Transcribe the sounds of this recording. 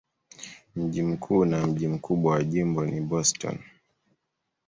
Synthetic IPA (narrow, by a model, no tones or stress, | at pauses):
m̩ʄim̩kʰuːnam̩ʄim̩kʰuɓwawaʄimbɔniɓɔstɔ̰n